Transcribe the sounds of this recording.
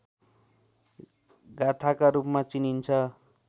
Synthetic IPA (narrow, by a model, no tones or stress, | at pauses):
ɡat̪ʰakaɾupmat͡sinint͡sʰʌ